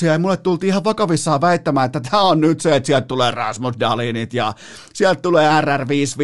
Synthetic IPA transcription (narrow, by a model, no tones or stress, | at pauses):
sieimulːet̪t̪ult̪iːihɑʋʋɑkɑʋisːɑːʋæit̪ːæmæːet̪ːæt̪ʰæːonnyt̪seet̪siælt̪t̪uleːrɑ̰smusdɑliːnit̪jɑ | siælt̪t̪uleːærærʋiːsʋ